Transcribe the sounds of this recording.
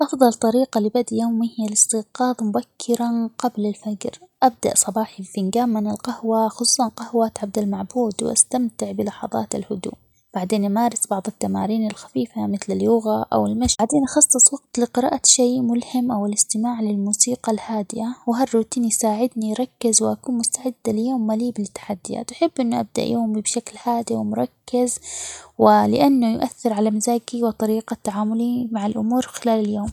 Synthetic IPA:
ʔɑfðˤɑlt̪ˤɑɾiːqɑlɪbad̪joːmːihjalɪst̪ɪqɑːðˤmʊbakʰːɪɾaqɑblalfad͡ʒɾʔab̚d̪a̰ʔsˤɑbɑːħibfɪnɡaːmːɪnalqɑhwaxʊsˤuːsˤɑnqɑhwaʔt̪ʕab̚d̪almaʕbuːd̪w̰ʔa̰st̪amt̪ɪʕbɪlɑħɑ̰ðˤɑ̰ːt̪alhʊd̪ṵː | b̥aʕd̪eːnʔamaːɾˤɪsbɑʕðˤɨt̪ːama̰ːɾiːnalxḁfiːfamɪθlaljʊɣaʔa̰wɪlmaʃaʕd̪eːnʔɑxɑsˤːɨsˤwɑɡ̚t̪lɪqɪɾɑ̰ːʔaʃeːmʊlhɪmʔawɪlɪst̪ɪmaːʕlɪlmuːsiːqɑlhaːd̪ɪjawɪɦarːuːt̪iːnjsaːʕɪd̪nijɾˤɑkːɪzwɪʔakuːnmʊst̪aʕɪd̪ːalɪjoːmːaliːbɪlɪt̪ːḁħad̪ːɪja̰ːt̪ʔaħɪbːʔɪnːʊʔa̰b̚d̪a̰ʔjoːmibʃaklhaːd̪iwɪmʊɾˤɑkːɪzwɪlɪ̰ʔanːʊjʔaθːɪɾʕalamɪzaːɡiwɪt̪ˤɑɾiːqɑt̪ːaʕaːmʊlimaʕɪlʔʊ̰muːɾxɪlaːlɪljoːm

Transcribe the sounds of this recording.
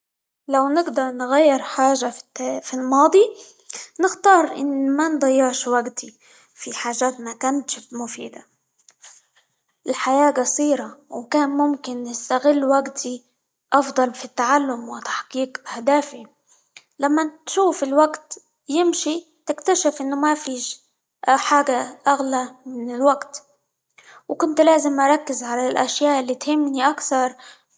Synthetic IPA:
lawnɪɡd̪ɑɾˤnɣajːɪɾˤħaːʒafilmɑːd̪ˤi | nɪxt̪ɑːɾˤʔɪ̰nːmand̪ˤɑjːɪʕʃwaɡt̪i | fiħaːʒaːt̪makaːnt̪ʃɪft̪mʊfḭːd̪a̰ | ʔɪlħajaːɡɑsˤiːɾawkaːnmʊmkɪnːɪst̪aɣɪlːwaɡt̪ʰi | ʔɑfd̪ˤɑlfit̪ːaʕalːʊmwɪt̪ḁħqiːqʔahd̪aːfi | lamːat̪ʃuːfɪlwaɡt̪ | jɪmʃi | t̪ɪkt̪aʃɪfʔɪnːʊmafiːʃ | ħaːɡaʔaɣlamɪnɪlwaɡt̪ | wkʊnt̪laːzɪmʔɑɾˤɑkːɪzʕalalʔaʃjaːʔɪlːit̪hɪmːniʔakθɑɾˤ

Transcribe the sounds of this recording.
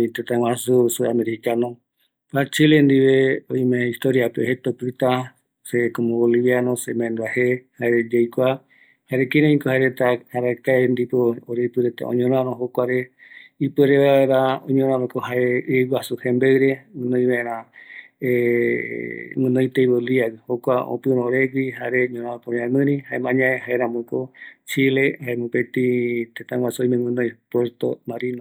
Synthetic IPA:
ĩt̪et̪ãwãsusuameɾikanõ | pat͡ʃilend̪iβeõj̃mẽist̪oɾiapeohet̪opɾɨt̪a | sekomooliβjanõsemãẽnd̪uahehaeɾed͡ʒejkʷa | haeɾekiɾõĩkohaeɾet̪ahaɾakaend̪ipoːɾeipɨɾet̪a̰ʔõ̰ɲõɾ̃ãɾõɦokʷaɾe | ipɨeɾeβaaeɾaõɲõɾõãɾõkoɦaeɡʷwasuhẽmbeɨɾemɨ̃nõj̃βaẽɾ̃ã | e | mɨ̃nõjt̪ejβoliaɡhokʷao̰pɨɾõɾeɡiɦaɾeɲõɾ̃ãapoɾĩãmɨ̃ɾĩhaemãɲãeɦaeɾãmõkot͡ʃilehaemũpet̪ĩt̪et̪ãŋwasuojmẽŋɨ̃nõjpweɾt̪o̰maɾino

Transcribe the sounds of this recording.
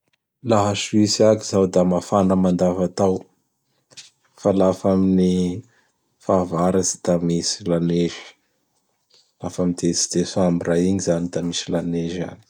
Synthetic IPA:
laɦasuisakizawd̪amafanəmand̪avat̪aw | falafamini | faːvaɾazi̥t̪amisilaneʒi̥ | lafamid̪et͡si̥d̪̥esamiraiɲizanid̪amisilaneʒa̰ni̥

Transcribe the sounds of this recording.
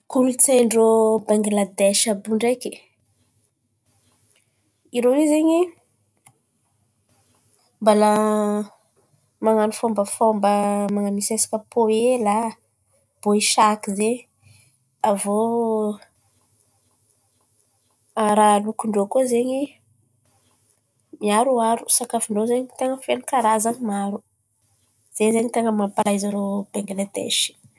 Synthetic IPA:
kulut͡seɳɖ͡ʐobaŋɡilad̪eʃabuɳɖ͡ʐeki | iɾowizeɲi | mbala | maŋanufombəfombəmaŋamisesi̥kəpʰoela | b̥oiʃakize | avo | ɾalukuɳɖ͡ʐokuzeɲi | miaɾuaɾu̥sakafiɳɖ͡ʐozeɲit̪eŋəfenukaɾazanimaɾu | z̥ezeɲit̪eŋəmampalajzaɾob̥eŋɡilet̪ḛʃi̥

